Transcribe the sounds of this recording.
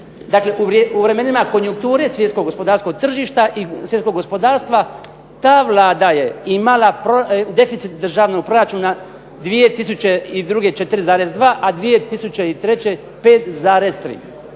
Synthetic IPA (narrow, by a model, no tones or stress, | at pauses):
d̪akle̞ʔuɾuʋɾe̞me̞nimako̞njuŋk̚t̪uːɾe̞sʋjet̪skoɡospo̞d̪aːɾskoɡ̚t̪r̩ʒiːʃt̪aʔisʋjeko̞ɡo̞spo̞d̪aːɾst̪ʋa | t̪aːʋlaːd̪aje̞imalˠapɾod̪e̞fit̪sit̪̚d̪r̩ʒaʋnoɡ̚pɾo̞ɾat͡ʃuːna | d̪ʋijet̪isut͡ɕeid̪ɾuːɡe̞t͡ʃet̪ɾizaːɾezd̪ʋaːʔad̪ʋije̞t̪isut͡ɕe̞it̪ɾe̞t͡ɕe̞ | peːt̪zaːɾezt̪ɾḭː